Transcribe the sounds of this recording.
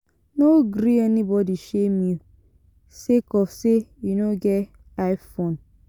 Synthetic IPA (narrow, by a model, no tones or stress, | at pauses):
noɡɾiɛnibɔdiʃemiu | sekɔfsejunoɡɛ | aɪfõn